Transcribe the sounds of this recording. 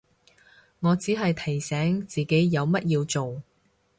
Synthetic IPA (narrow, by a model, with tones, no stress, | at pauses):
ŋɔː˨˧t͡siː˨˥ɦɐ˨jt̪ʰɐ˨˩jsɛː˨˥ŋt͡siː˨ke˨˥jːɐ˨˧wmɐ˥t̚jiː˧wt͡so˨w